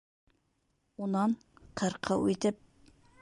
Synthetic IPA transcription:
unɑn | qʰəɾqʰəwet̪ʰɪp̚

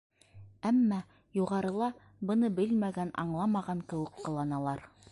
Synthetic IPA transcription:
æmːæ | juʁɑɾɤ̆lˠɑ | bɤ̆nɤbɘlmæɡænɑ̰ɴlˠɑmɑʁɑŋkɘ̆wɘ̆kːɤ̆lˠɑnɑlˠɑɾ

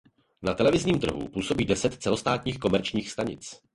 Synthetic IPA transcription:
nat̪ɛlɛvɪzɲiːmt̪r̩ɦṵpuːso̞biːdɛsɛt̪t͡sɛlo̞st̪aːt̪ɲiːxko̞mɛɾt͡ʃɲiːxst̪aɲɪ̰t͡s

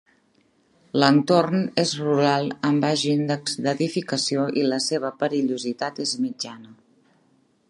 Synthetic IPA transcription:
lənt̪ornezruɾalˠəmbaʒind̪əkzd̪əðifikəsioʔiləseβ̞əpəɾiʎuzit̪at̪ezmid͡ʒanə

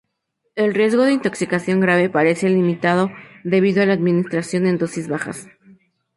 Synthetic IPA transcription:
e̞lrje̞zɣo̞ð̞e̞int̪o̞ksikasjo̞ŋɡɾaβ̞e̞paɾe̞se̞limit̪að̞o̞ðe̞β̞iðoalaːd̪mĩnist̪ɾasjo̞ne̞nd̪o̞sizβaxa̰s

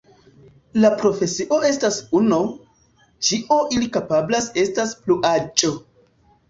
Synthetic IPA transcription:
lapɾo̞fe̞siʔo̞e̞stasuno | t͡ʃiʔoʔilikapablase̞staspluʔat͡ʃʼo

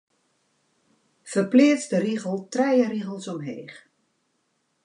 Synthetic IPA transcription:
fərpleːətsdəriɣəlˠtrɛjəɾiɣəlˠsɔmɦḛːχ

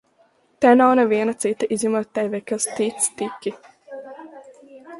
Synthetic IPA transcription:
t̪ɛnawnɛviɛnɐt̪sit̪ːɐʔizʲɲimuɔt̪̚ʲt̪ːɛjvɛkast̪it̪st̪ikʲːi

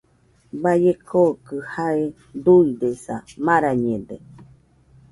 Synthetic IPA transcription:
bajekʰokɨhae | d̪uid̪esamãɾaɲẽd̪e

